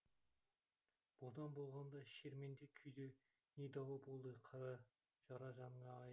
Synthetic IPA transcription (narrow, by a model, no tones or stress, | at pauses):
b̥od̪ɑnbolˠʁɑnd̪ɑʃeɾmend̪ekʲʰʏjd̪e | ned̪ɑwɑbolˠd̪əqʰɑɾɑ | ʒ̥ɑɾɑʒɑmɴɑːj